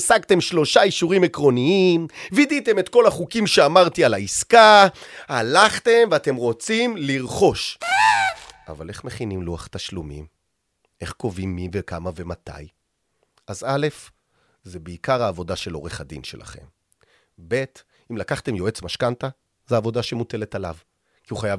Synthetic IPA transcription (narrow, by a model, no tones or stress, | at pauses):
saɡt̪e̞mʃlo̞ʃaiʃuʁimekʁo̞niimvidit̪e̞me̞t̪ko̞laχukimʃeamaʁt̪ialaiskahalaχt̪e̞mveat̪e̞mʁo̞t͡simliʁχo̞ʃ | ʔa̰vale̞χme̞χinimluaχt̪aʃlumḭm | e̞χko̞vimːivekamave̞mat̪a̰j | ʔazale̞f | zebeikaʁaːvo̞daʃe̞loʁeχadḭnʃe̞̰lʔa̰χe̞̰m | be̞t | imlakaχt̪e̞mjo̞et͡smaʃkanta | zeavo̞daʃe̞mute̞le̞tala̰v | kiuχajav